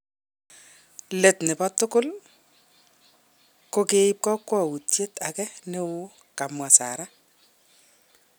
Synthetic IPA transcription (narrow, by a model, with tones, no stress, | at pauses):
le˨tnɪ˨pa˦tʊ˦kʊ˦l | ko˦ke˦i˦p̚kɔ˦kːwɔ˦˨wu˨tje˦ta˨kɛ˦ne˦wʊ˦ | ka˨mwa˨sa̰˨ɾa˦